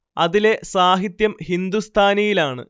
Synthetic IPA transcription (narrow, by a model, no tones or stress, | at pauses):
ɐðile̞saːɦit̪jɐmhind̪ust̪ʰaːnɐjilaːɳɨ̰